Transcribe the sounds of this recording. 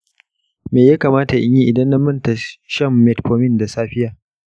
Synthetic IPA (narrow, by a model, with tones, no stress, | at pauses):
meː˨jaː˦kaː˨maː˦ta˨ʔɪ̰˦ɲji˦ʔɪ˨dɐ˦nːɐ˦mːɐ˦nta˨ʃɐ˦˨mːɛ˨tɸʰoː˨mɪ˦˨nda˨saː˦ɸɪ˦jaː˨